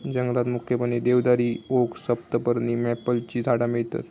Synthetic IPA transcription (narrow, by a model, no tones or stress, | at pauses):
d͡ʑəŋɡəlat̪mukʰjəpənid̪eʋd̪aɾioksəp̚t̪əpəɾnimɛpəlt͡ɕiːd̪ʱaɽamiɭt̪a̰t̪